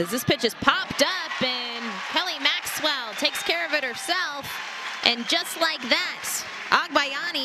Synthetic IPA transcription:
ʌzðɪspɪt͡ʃɨz̥pʰɑptʌpɨ̃nkʰɛlˠimækswɛlˠtʰeɪkskʰɛɹʌvɨɾ̚hə˞sɛlˠf | ʔɨ̃nd͡ʒʌstˡlaɪk̚ðæt | ʔɑɡ̚baɪɑni

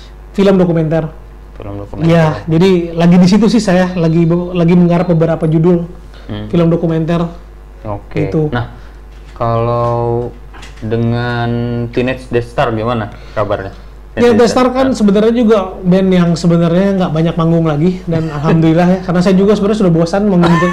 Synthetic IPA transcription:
filəmdokumɛnt̪ar | filəmokuijad͡ʒadilaɡidis̬it̪̬usɪhsajalaɡiblaɡiməŋaɾap̚bəbəɾapad͡ʒudʊl | filəmdokumɛnt̪ar | okit̪unah | kala | dəŋant̪inɛsdɛst̪arɡimana | kabarɲa | jadɛst̪arkansəbənarɲad͡ʒuɡabɛnjaŋsəbənarɲaŋɡaʔbaɲak̚maŋɡʊŋlaɡidanalɦamdulilahjakaɾənasajad͡ʒuɡasəbənarɲas̬udahbuasanmaŋɡuŋit̪̬u

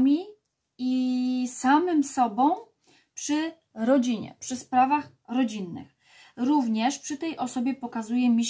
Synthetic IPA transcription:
mʲi | isamɘmsɔbɔ̃w̃ | pʂɘ | ɾɔd͡ʑiɲɛ̰pʂɘspɾavax | ɾɔd͡ʑinːɘ̰x | ɾuvɲɛʂpʂɘt̪ɛjʔɔsɔbʲjɛpɔkazujɛmʲiɕ

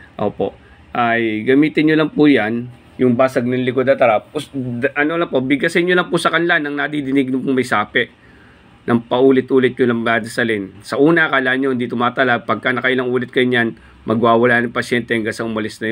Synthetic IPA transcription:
ʔoːpo̞̰ʔ | ʔajɡɐmiːt̪ɪnɲolɐŋpujan | jʊŋbaːsɐɡ̚nɐŋlɪkod̪ɐt̪ɐɾaposʔɐnolɐŋpobɪɡɐsɪnjolɐŋpʊsɐkɐnɪlanɐŋnɐd̪id̪ɪnɪɡ̚ɲopʊŋmɐjsaːpɛʔ | nʔɐŋpɐʔuːlɪt̪ʔuːlɪt̪̚ɲʊlɐŋlaːd̪ɐsɐlɪnsɐʔuːnɐkaːlaːʔnɲohɪnd̪it̪ʊmaːt̪ɐlapɐɡ̚kanɐkɐʔɪlɐŋʔuːlɪt̪̚kɐjɲan | mʔɐɡwaːwɐlaːnɐŋpɐʃjɛnt̪ɛŋɡasɐʊmɐlɪsnɐj

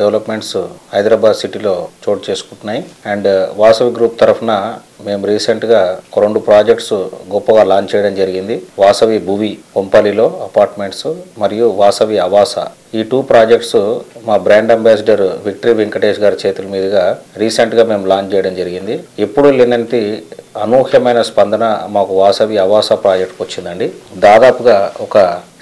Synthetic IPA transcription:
ɖeʋlɐpme̞ɳʈshɐjd̪ɾabaːd̪siʈilo̞ːt͡ʃoːʈ̚t͡ʃe̞ːsu̥kuɳʈunːaːjiɛɳɖʋaːsɐʋiɡɾuːp̚t̪ɐɾɐpʰɐnɐ | me̞ːmuɾiːseɳʈɡaːkɾoɳɖupɾaːd͡ʒekʈsuɡɔpːɐɡaːlaːnt͡ʃɛːjɐɽɐmd͡ʒɐɾiɡind̪iʋaːsɐʋibʱuʋikompɐlilo̞ːɐpaːɾʈme̞ɳʈsmɐɾijuʋaːsɐʋiɐʋaːsa̰ | iːʈuːpɾaːd͡ʒek̚ʈsumaːbɾaːɳɖɐmbaːs̬d͡ʒɐɾʋik̚ʈɐɾiʋiŋkɐʈeːʃɡaːɾut͡ʃeːt̪ulɐmiːd̪ɐɡaːɾiːseɳʈɡaːme̞ːmulaːnt͡ʃɛːjɐɽɐmd͡ʒɐɾiɡind̪iepːuɽulinɐnt̪iɐnuːkʰjɐmɐjnɐspɐnd̪ɐnɐmaːkuʋaːsɐʋiɐʋaːsɐpɾaːd͡ʒek̚ʈʋɐt͡ʃːind̪ɐɳɖid̪aːd̪aːpuɡaːɔkɐ

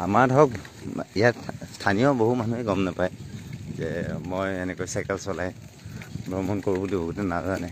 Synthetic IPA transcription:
amadɔk̚ | ijatstʰanijɔboɦumanuɦɛɡɔmnapajzɛmojenɛkɔjsakɛlsɔlaj | bɹɔmɔnkoɹbudubɔɡutɛnazanɛ

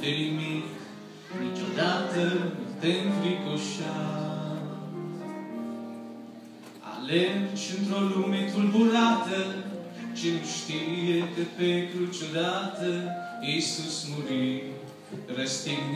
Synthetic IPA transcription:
d̪elimik | nit͡ʃod̪at̪ət̪enfɾikoʃa | a̰lent͡ʃɨnt̪ɾolumet̪ulbulat̪ə | t͡ʃenuʃt̪iɾijekepet̪ɾut͡ʃod̪at̪ə | jisusmuɾi | ɾəst̪in

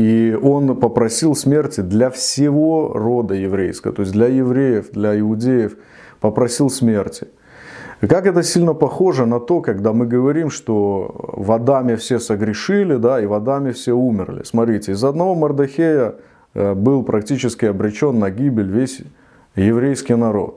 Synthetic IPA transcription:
io̞npəpɾɐsʲilˠsmʲertʲɪd̪lʲɐfsʲɪvo̞ro̞d̪əjɪvɾʲejskəvə̰t̪o̞ɪs̬ʲd̪lʲɐjɪvɾʲejɪfd̪lʲɐɪʊdʲejəf | pəpɾɐsʲilˠsmʲe̞rtʲɪ̥ | kakɛt̪əsʲilʲnəpɐxo̞ʐɨnɐt̪o̞kɐɡd̪amɨɡəvɐɾʲimʂt̪ovɐd̪amʲɪfsʲe̞səɡɾʲɪʂɨlʲɪd̪aivɐd̪amʲɪfsʲeumʲɪrlʲɪ̰smɐt̪ɾʲitʲɪɪzɐd̪nɐvo̞mərd̪ɐxʲejə | bɨlˠpɾʔɐk̚tʲit͡ɕɪskʲɪɐbɾʲɪt͡ɕo̞nːɐɡʲibʲɪlʲvʲesʲ | jɪvɾʲejskʲɪjnɐɾo̞̰t̪̚

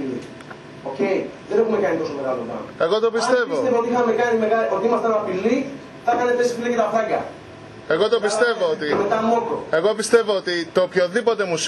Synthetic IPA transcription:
ḭ | oce̞jðene̞xume̞kɐnit̪o̞so̞me̞ɣɐlopɐ̰noe̞ɣo̞t̪opist̪e̞vost̪evoot̪iixɐme̞kɐnime̞ɣɐot̪iimɐst̪ɐnɐpili | θɐkɐnet̪esi̥filicet̪ɐfɾɐcɐ̰ | e̞ɣo̞t̪opist̪e̞voot̪imet̪ɐmok̪o̰e̞ɣo̞pist̪e̞voot̪it̪opço̞ðipo̞t̪e̞mus

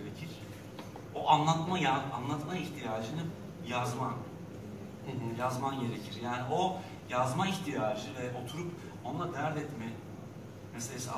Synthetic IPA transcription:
ɾecʰiɾ̥ | oʔanlˠat̪majaanlˠat̪maiçt̪ʰijaːʒɯnɯ | jazman | jazmanɟe̞ɾe̞cʰiɾjaːnio̞ | jazmaiçt̪ʰijaːʒɯvɛʔo̞t̪ʰuɾup | o̞nd̪ˠad̪æɾd̪ɛt̪mɛ | meselʲesi

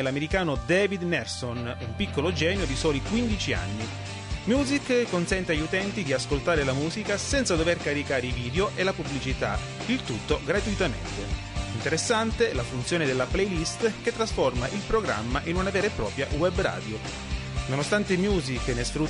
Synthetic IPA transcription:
lameɾikaːnod̪ɛːvid̪nɛlsonumpikːolod͡ʒɛːnjod̪isɔːlikwind̪it͡ʃia̰nːi | mjuːzikkːonsɛnt̪eaʎːut̪ɛnt̪id̪iaskolt̪aːɾelamuːzikasɛnt̪sad̪overkaɾikaːɾeiviːd̪eoʔelapubːlit͡ʃit̪a̰ | ilt̪ut̪ːoɡɾat̪uit̪amḛnt̪e | int̪eɾesːant̪elafunt̪sjoːned̪elːaplɛjlist̪ket̪ːɾasformaʔilpɾoɡɾa̰mːaʔinunavɛːɾepːɾɔːpɾja̰wɛbra̰ːd̪jo | nonost̪ant̪emjuːziknesfɾu

